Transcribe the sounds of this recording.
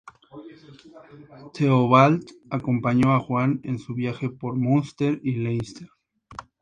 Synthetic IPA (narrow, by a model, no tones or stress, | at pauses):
t̪ʰeoβalt̪ako̞mpaɲo̞axwanensuβjaxe̞po̞ɾmunst̪eɾilejst̪eɾ